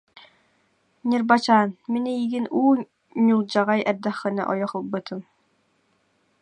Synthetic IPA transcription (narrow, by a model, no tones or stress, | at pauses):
nʲiɾbat͡ɕaːnminɛjiɡinuː | ɲulˠd͡ʑaʁajɛɾd̪ɛχːɯna̰ʔɔjɔχɯlˠbɯt̪ʰɯm